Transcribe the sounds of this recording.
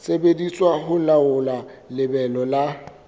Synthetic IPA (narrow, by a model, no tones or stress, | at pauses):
sebedit͡sʼwaɦʊlaʊlalɪbɛlɔla